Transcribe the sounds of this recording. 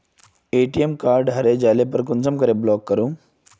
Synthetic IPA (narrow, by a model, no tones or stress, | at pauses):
eʈiemkaɾɖɦɐɾed͡ʑalepəɾkunt͡səmkəɾeblɔkːəɾũː